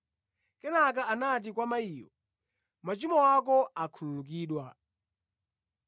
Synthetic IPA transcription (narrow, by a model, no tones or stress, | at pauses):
kɛnakaanat̬ikwamaiːjɔ̰ | mat͡ʃimɔwakɔakʰululukiːɗwa